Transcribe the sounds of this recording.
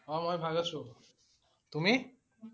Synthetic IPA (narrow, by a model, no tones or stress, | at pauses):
ɔmojbʱaɡat͡ɕʰu | t̪umi